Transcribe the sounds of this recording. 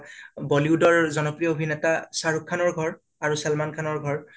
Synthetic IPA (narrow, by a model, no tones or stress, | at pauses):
bɔliʊdɔɹzɔnɔpɹijɔobʱinɛtasaɹukʰːanɔɹɡʱɔɹ | aɹusalmankʰanɔɹɡʱɔɹ